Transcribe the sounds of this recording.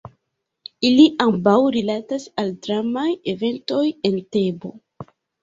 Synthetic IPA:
iliʔambawɾilatasaldɾamajeve̞nto̞je̞nte̞bo̞

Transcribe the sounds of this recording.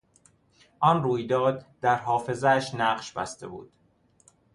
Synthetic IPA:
ʔɒnruːjd̪ɒːd̪̚d̪æɾɦɒːfe̞zæʃnæɢʃbæ̰st̪e̞̰bṵːd̪̥

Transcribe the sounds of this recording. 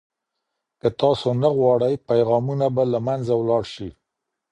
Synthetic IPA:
kət̪ɑsonaɣwɑɽəjpajɣɑmunabalamanzawlɑɽʃi

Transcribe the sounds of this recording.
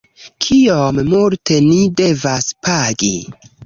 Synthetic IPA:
kʰiommulte̞nide̞vaspʰaɡḭ

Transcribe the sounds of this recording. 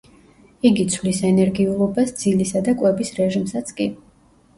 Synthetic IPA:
iɡit̪sʰvlisɛnɛɾɡiulˠɔbasd̪z̥ilisad̪akʼwɛbisɾɛʒimsat̪sʰkʼi

